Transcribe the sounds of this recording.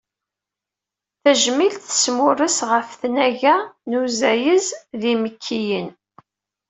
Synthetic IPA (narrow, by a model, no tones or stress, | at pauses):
θæʒmilt̪θə̥smʊɾəsʁəfθnæʝænuzæjəzðiməkʰːijən